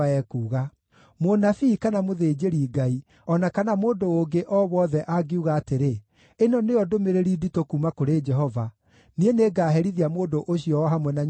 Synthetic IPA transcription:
ɛkuːɣa | monafiːkanamoðeːd͡ʒeɾiɡai | ɔnakanamoːndooŋɡeʔɔβwɔðɛʔaɡeuɣaːteɾe | enɔneɔdomeɾeɾiditokumakoɾed͡ʒɛɦɔva | nieneːɡaːɦɛɾiðiamoːndoʔoɕiɔɔɦamwɛnaɲ

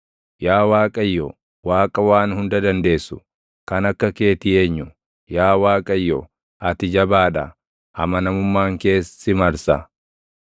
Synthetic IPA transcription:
jaːwaːkʼɐjːɔ | waːkʼɐwaːnhʊnd̪ɐd̪ɐnd̪e̞ːsːʊ̥ | kɐnɐkːɐke̞ːt̪ɪje̞ːɲːʊ | jaːwaːkʼɐjːɔ | ɐt̪ɪd͡ʒɐbaːᶑɐ | hɐmɐnɐmʊmːaːŋke̞ːsːɪmɐɾsɐ

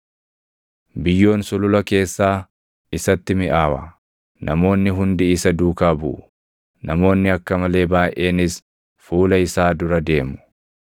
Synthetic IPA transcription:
bɪjːo̞ːnsʊlʊlɐke̞ːsːaː | ɪsɐt̪ːɪmɪʔaːwɐ̰ | nʔɐmo̞ːnːɪɦʊnd̪ɪɪsɐd̪uːkaːbʊ̰ʔʊ | nɐmo̞ːnːɪɐkːɐmɐle̞ːbaːʔʔe̞ːnɪs | fuːlɐɪsaːd̪ʊɾɐd̪e̞ːmʊ̥

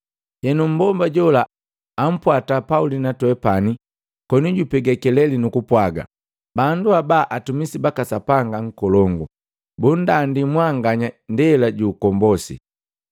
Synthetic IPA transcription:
hɛnum̩bɔmbaɟɔlaː | m̩pwatapaulinatwɛpani | kɔnuɟupɛɡɛkɛlɛlinukupwaɡa̰ | banduabaʔatumisibakasapaŋɡaŋ̩kɔlɔŋɡu | bun̩dandimwaŋɡaɲandɛlaɟuːkɔmbɔsḭ

